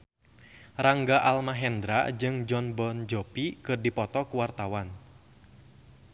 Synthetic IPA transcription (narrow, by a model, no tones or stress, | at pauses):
raŋɡaʔalmaɦɛnd̪ɾa̰d͡ʒɨŋd͡ʒɔnbɔnd͡ʒɔpikɨrdipɔt̪ɔkuwart̪awan